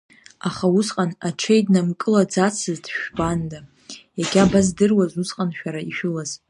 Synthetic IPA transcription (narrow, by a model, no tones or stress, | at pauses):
aχausqʼanat͡ʃʰejdnamkʼɨlad͡zat͡sʰɨzdʃᶣbanda | jaɡʲabazdɨrwazusqʼanʃᶣaɾaiʃᶣʊlaz̥